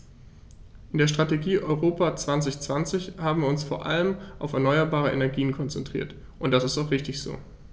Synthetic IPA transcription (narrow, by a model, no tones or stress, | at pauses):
ʔɪndeːɐʃtʁ̥ateɡiːʔɔʏʁoːpat͡sv̥ant͡sɪçt͡sv̥ant͡sɪçhaːbm̩viːɐʊnsfoːɐʔa̰ləmʔaʊfɛɐnɔʏɐbaːʁ̞əʔḛnɛɐɡiːənkʰɔnt͡sɛntʁ̥ḭːɐt | ʔʊntd̥asɪstaʊxʁ̥ɪçtɪçz̥o̰ː